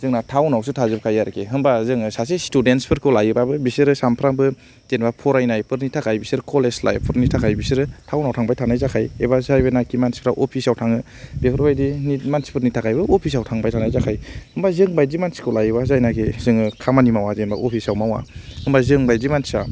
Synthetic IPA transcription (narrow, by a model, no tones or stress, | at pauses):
zɯŋnatʰawnawsɯtʰazɯb̚kʰajaɾkʰeɦɯmbazɯŋɯsas̬estudentspʰɯɾkʰɯwlajɯbabɯbisɯɾɯsampʰɾaŋbɯ | zenbapʰɔɾajnajpɯɾnitʰakʰajbisɯɾkʰolesla̰jpʰɯɾnitʰakʰajbisɯɾɯtʰawnawtʰaŋbajtʰanajzakʰajebazajbɯnakimansi̥pʰɾawʔɔpʰisawtʰaŋɯ | b̥ekʰɯɾbajdinimansi̥pʰɯɾnitʰakʰajbɯopʰis̬awtʰaŋbajtʰanajzakʰajhɯmbazɯŋbajzimansi̥kʰɯwlajɯbazajnakʰezɯŋɯkʰamanimawazenba̰ʔɔpʰisawmawa̰hɯmbazɯŋbajzimansa